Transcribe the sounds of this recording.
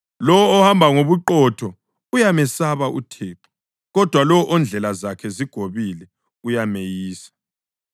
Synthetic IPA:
lɔwɔɔhambʱaŋoβuǃɔtʰɔ | ujamɛsaβaʔṵtʰɛːǃɔ̥ | ɣɔd̥ʱwalɔwɔʔɔnd͡ɮʱɛlazakʰɛziɡ̥ʱoβilɛ | ujamejiːsḁ

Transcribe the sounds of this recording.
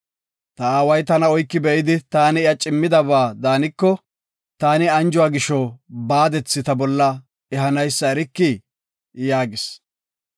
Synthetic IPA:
t̪ɐaːwɐjt̪ɐnɐɔjkːɪbɛʔɪd̪ɪt̪aːnɪɪjɐt͡ʃʼɪmːɪd̪ɐβaːd̪aːnɪkːɔ | t̪aːnɪɐnd͡ʒʊwaːɡɪʃɔbaːd̪ɛt͡sːɪt̪ɐbɔlːɐ | ɛɦɐnɐjsːɐɛɾɪkːɪ | jaːɡɪs

